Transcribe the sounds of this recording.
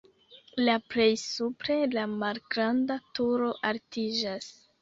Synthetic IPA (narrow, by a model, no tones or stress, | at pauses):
laple̞jsupɾe̞lamalɡɾandatuɾo̞ʔaltid͡ʒas